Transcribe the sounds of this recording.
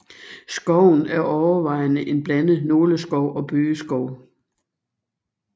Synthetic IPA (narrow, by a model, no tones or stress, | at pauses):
sɡ̥ɒʊ̰n̩æɐʔɒʊɐʋɑ̈ɪnəʔe̝nb̥lænð̩ˠnoːləsɡ̥ɒʊ̰ʔɒ̽b̥øːəsɡ̥ɒʊ̰